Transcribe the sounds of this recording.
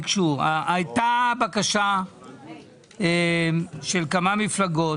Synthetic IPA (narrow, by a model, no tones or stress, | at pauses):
kʃuaʔajtabakaʃa | eʃe̞lkamamiflaɡo